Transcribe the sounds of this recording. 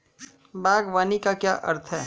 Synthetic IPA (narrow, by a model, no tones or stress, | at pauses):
baːɡʋaːnikakja̰ːʔɐ̰ɾt̪ʰɦɛː